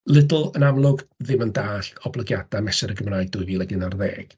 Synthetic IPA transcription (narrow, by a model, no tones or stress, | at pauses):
lˠɪdʊlˠənamlˠʊɡðɪməndaːɬɔblˠəɡjad̥amɛsɛɾəɡəmraːɨɡ̚dʊɨviːlˠɛɡɪnarðeːɡ̥